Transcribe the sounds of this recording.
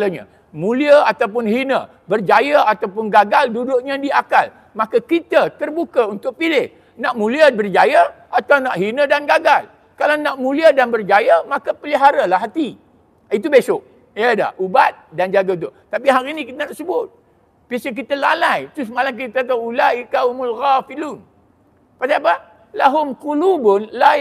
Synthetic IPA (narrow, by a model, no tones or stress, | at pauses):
laɲã̰ | mũliəat̪awp̬ʊnhinə | bərd͡ʒajəat̪awpʊnɡaɡaldudʊʔɲãdiakal | makakit̪ət̪ərbukaunt̪ʊʔ̚pilɪh | naʔmũliəbərd͡ʒajaʔat̪awnaʔɦinədanɡaɡal | kalawnaʔmũliədanbərd͡ʒajəmãkəpəliɦaɾalaɦat̪i | it̪̬ubesʊʔ̚ | jəda̰hʔubat̪̚dand͡ʒaɡaunt̪ʊʔt̪apiɦaɾinikit̪ənaʔsəbʊt̪̚ | piasək̬it̪əla̰lajt̪ɾʊsmalamk̬it̪at̪awulaʔikahʊmulɣafiluːn | pasaapə | laɦʊmkulubʊnla